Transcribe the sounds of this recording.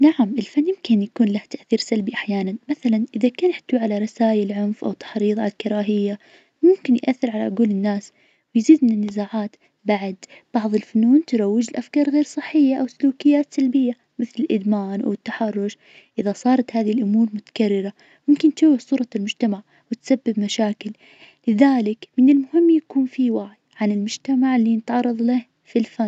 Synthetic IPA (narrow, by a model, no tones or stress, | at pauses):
naʕamʔɪlfanːjɪmkɪnjakuːnlaht̪aʔθiːɾsalbiʔaħjaːnanmaθalanʔɪðakaːnħt̪ːwiʕalaɾˤɑsaːjalʕʊnfʔa̰wt̪ːḁħɾiːðˤa̰t̪kɪɾˤɑːɦɪjːa | mʊmkɪnjʔaθːɪɾʕalaʔʊɡuːlɪnːaːs | wɪjziːd̪̚mɪnɪnːɪzaːʕaːt̪ | baʕd̪b̥ɑʕðˤɪlfʊnuːnt̪ɪɾˤɑwːɪd͡ʒɪlʔafkɑːɾˤɣeːɾsˤɨħːɪjːaʔawsʊluːkɪjːaːt̪salbɪjːa | mɪθlɪlʔɪd̪maːnʔa̰wɪt̪ːaħɑrˤːʊʃ | ʔɪðasˤɑːɾˤɑt̪haːðihlʔʊmuːɾˤmʊt̪ḁkarːɪɾa | mʊmkɪnt̪awːɪħsˤuːɾˤɑlmʊd͡ʒt̪amaʕ | wɪt̪sabːɪbmaʃaːkɪlː | ɪðaːlɪkmɪnɪlmʊhɪmːjakuːnfiwaʕjʕanɪlmʊd͡ʒt̪amaʕlːinɪt̪ʕɑrˤːɑðˤlɪh | filfan